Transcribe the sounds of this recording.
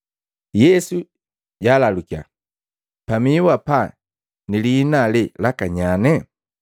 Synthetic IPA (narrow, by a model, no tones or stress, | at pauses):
jɛsu | ɟaːlalukia̰ | pamiwapa | nilinalɛlakaɲanɛ